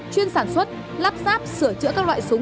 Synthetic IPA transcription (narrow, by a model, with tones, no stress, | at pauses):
t͡ɕwi˧ənsaː˧˩nswə˦˥t̚ | laː˦˥p̚zaː˦˥p̚sɨ˧˩ət͡ɕɨ̰˧˥kaː˦˥k̚lwa̰ː˧˨jsu˨˦